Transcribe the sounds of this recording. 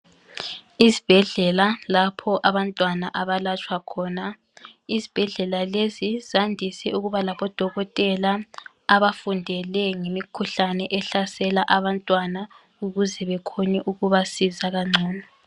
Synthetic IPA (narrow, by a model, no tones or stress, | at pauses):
izib̥ʱɛɮɛlalapʰɔʔaβantʼwanaʔaβalat͡ʃʰʼwakʰɔːna | izib̥ʱɛɮɛlalezizandʱisɛuɣuβalaβɔd̥ʱɔɣɔtʼɛlaː | βafundʱɛlɛŋemikʰuɬanɛʔɛɬasɛlaʔaβantʼwana | uɣuzɛβɛkʰonɛʔuɣuβasizaɣaŋ͡ǀʱɔːnɔ